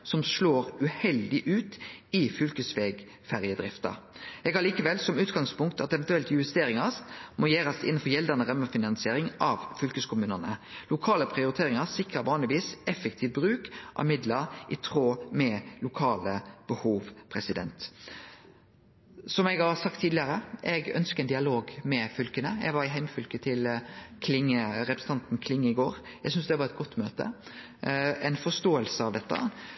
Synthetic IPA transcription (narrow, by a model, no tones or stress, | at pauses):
sɔmsloːɾʉhɛld̪ɪʔʉːt̪ɪfʏlkəsʋeːɡ | fæʁjəd̪ɾʁɪft̪ə̰ɛɡɑliːkəʋɛlsɔmʉːt̪ɡɑŋspʊŋkt̪ɑt̪ɛʋɛnt̪ʉɛlt̪ɪʉst̪eːɾɪŋɑsmojeːɾɑsɪ̰nːn̩fɔɾjɛld̪ənəʁœməfɪnɑnsɪeːɾɪŋʔɑʋfʏlkəskʰʊmʉːnənəlʊkʰɑːləpʰʁɪʊɾɪt̪ʰeːɾɪŋɑsɪkʁəʋɑːnlɪʋiːsɛfɛk̚t̪ʰiːʋbʁʉːkʔɑ̰mɪd̪ləɾʔɪt̪ʰʁoːmɛlʊkʰɑːləb̥əhuːʋpʰɾɛsɪd̪ɛ̰nt̪ | sɔmɛɡhɑɾsɑk̚t̪ʰːiːd̪ɪəɾəʔɛɡœ̰nskəɛnd̪ɪɑloːɡmɛfʏlkənəɛ̰ɡʋɑɾɪɦæɪmfʏlkət̪ʰɪlkʰlɪŋːəɾɛpɾɛsən̩ɑnt̪n̩kʰlɪŋːəɪɡoːɾɛɡs̬ʏnsd̪ɛʋɑɾɛt̪̚ɡɔt̪ːmøːt̪ə̰ | ɛɪnfɔst̪oːəlsəɑʋd̪ɛt̪ːə̰